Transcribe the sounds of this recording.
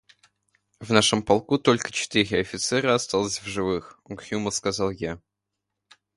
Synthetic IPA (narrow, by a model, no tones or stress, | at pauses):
vnaʂəmpɐlˠkut̪o̞lʲkə̥t͡ɕɪ̥t̪ɨɾʲɪɐfʲɪt̪sɛɾəɐst̪alˠəsʲvʐɨvɨxɔɡxʲuməskɐzɑlˠja